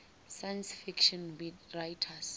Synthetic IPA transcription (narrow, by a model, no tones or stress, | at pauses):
sajnsfikʃɔnbirajtʰas